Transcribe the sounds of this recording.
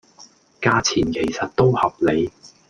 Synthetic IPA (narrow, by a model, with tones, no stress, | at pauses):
kaː˧t͡sʰiː˨˩nkʰe˨˩jsɐ˨t̚t̪o˥whɐ˨p̚le˨˧j